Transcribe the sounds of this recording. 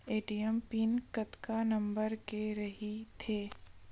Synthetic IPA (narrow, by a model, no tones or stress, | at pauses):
eːʈijɛmpiːnkɐt̪kanɐ̃mbəɾkeɾɐɦit̪ʰeː